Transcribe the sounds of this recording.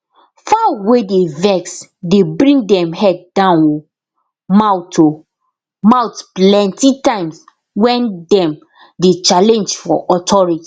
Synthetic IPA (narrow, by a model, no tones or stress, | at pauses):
fawedevɛksdebɾĩŋdɛ̃mhɛd̚dãno | mawtʰo | maʊtplɛ̃ntitãɪ̃ms | wɛ̃ndɛ̃m | det͡ʃalɛ̃nd͡ʒfɔʔɔtʰɔɹiti̥